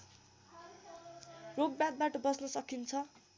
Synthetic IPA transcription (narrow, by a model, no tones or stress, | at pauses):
roɡbad̪̚baʈʌbʌsnʌsʌkint͡sʰʌ